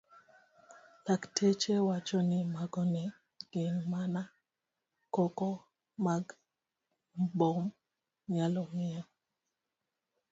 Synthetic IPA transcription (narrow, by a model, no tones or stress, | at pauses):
laktʰet͡ʃewat͡ʃɔnɪmaɡɔnɛ | ɡ̥ɪnmana | kɔkɔ | maɡ | bɔm | ɲalɔmɪa